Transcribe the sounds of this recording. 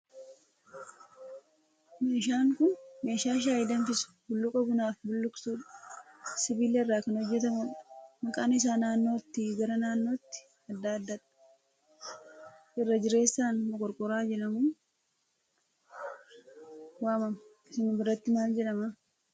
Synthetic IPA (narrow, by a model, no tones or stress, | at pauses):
me̞ːʃ̬aːŋkʊnme̞ːʃaːʃ̬aːjɪd̪ɐnfɪsʊ̥bʊlːʊkʼɐbʊnaːfbʊlːʊksuːᶑ | sɪbiːleɪrːaːkɐnɔd͡ʒːɛt̪ɐmɐnmɐkʼaːnɪs̬aːnaːnːo̞ːt̪ːɪɡɐɾɐnaːnːo̞ːt̪ːɪ̥ | ɐd̪ːaːd̪ːɐᶑɐ̥ | ʔɪrːɐd͡ʒɪɾe̞ːsːaːnmɔkʼɔɾkʼɔɾaːd͡ʒɛᶑɐmuː | waːmɐm | ɪsɪnʊbɪɾɐt̪ːɪmaːld͡ʒɛᶑɐmɐ